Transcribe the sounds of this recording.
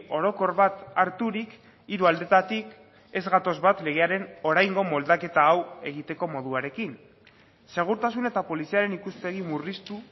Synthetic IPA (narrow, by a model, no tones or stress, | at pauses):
o̞ɾo̞ko̞ɾβat̪aɾt̪uɾik | iɾuald̪e̞t̪at̪ik | e̞zɣat̪o̞zβat̪le̞ɣ̞e̞aɾe̞no̞ɾajŋɡo̞mo̞ld̪ake̞t̪aːwe̞ɣ̞it̪e̞ko̞mo̞ðuaɾe̞kin | se̞ɣ̞uɾt̪asune̞t̪apo̞lisiaɾe̞nikuspe̞ɣ̞imurist̪u